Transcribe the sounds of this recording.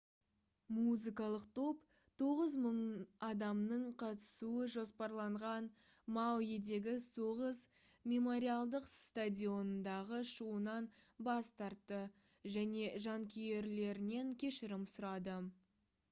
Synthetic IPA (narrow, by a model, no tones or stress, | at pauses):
muzɨkɑlˠəq̚t̪ʰo̞p | t̪ʰo̞ʁəzməɴɑd̪ɑmnəɴqʰɑt̪ə̥suəʒo̞spɑɾlˠɑɴʁɑn | mɑwjed̪e̞ɡʲɪso̞ʁəz | mʲe̞mo̞ɾʲialˠd̪əqst̪adʲio̞nənd̪ɑʁəʃuənɑnbɑst̪ɑɾt̪ːə | ʒæne̞ʒɑŋkʲʰije̞ɾle̞ɾɪne̞ŋkʲʰe̞ʃɪɾɪmsʊɾɑd̪ə